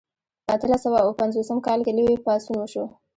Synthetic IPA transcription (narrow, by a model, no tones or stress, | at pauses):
əat̪əlasawawpanzosəmkɑlkelowepɑsunwəʃo